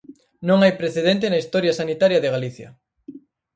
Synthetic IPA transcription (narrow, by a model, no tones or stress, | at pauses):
nõŋajpɾeθeðent̪̬ɪnɐist̪ɔɾjɐsanit̪aɾjɐðeɣaliθjɐ̰